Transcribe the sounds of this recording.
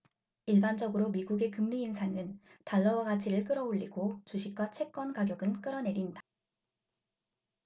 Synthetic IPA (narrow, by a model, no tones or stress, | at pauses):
iɭband͡ʑʌɡɯɾomiɡuɡe̞kɯmliːnsʰaŋɯntaɭːʌwaɡat͡ɕʰiɾɯɭk͈ɯɾʌoʎːiɡot͡ɕuɕʰik̚k͈wat͡ɕʰwe̞k̚k͈ʌnkaɡjʌɡɯnk͈ɯɾʌne̞ɾinda